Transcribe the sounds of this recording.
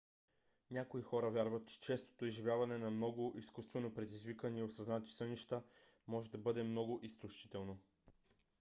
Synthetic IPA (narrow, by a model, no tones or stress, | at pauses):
nʲakoixɔɾɐvjaɾvət̪̚t͡ʃɛ̥t͡ʃɛst̪o̥t̪oizʒivʲjavɐnɛnɐmnɔɡʊʔiskust̪vɛnopɾɛd̪izvikəniosɐznat̪i̥sɤniʃt̪əmɔʒɛd̪ɐbɤd̪ɛmnɔɡʊʔisklʲuʃit̪ɛlˠno